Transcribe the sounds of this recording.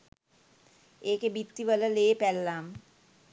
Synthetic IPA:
eːkebit̪ːiʋələleːpɛlːam

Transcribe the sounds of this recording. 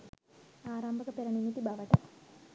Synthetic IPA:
aːɾaːmbʱɐkɐpeɾɐnimit̪ːibaʋɐʈːɐ̰

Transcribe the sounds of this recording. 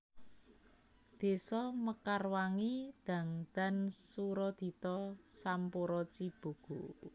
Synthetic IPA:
d̪̥e̤sɔməkarwaŋid̪̥ä̤ŋd̪̥a̤nsuɾɔd̪̥i̤t̪ɔsampoɾɔt͡ʃib̥o̤ɡ̥o̤

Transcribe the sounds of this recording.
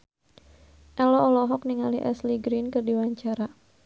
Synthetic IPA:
ʔɛlɔʔːlɔɦɔk̚niŋaliʔɛsliɡɾinkɨrdiwaɲt͡ʃaɾa

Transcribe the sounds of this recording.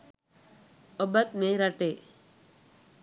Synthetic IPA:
ɔbət̪̚meɾaʈe

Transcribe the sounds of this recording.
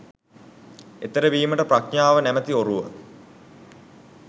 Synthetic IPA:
et̪əɾəʋiːməʈəpraknaːʋənæmət̪ioɾuʋə̰

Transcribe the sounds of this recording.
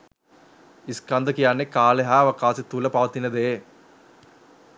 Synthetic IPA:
iskɐnd̪ɐkijaːnːekaːleɦaʋɐkaːsit̪uːlɐpaːt̪inːɐd̪eː

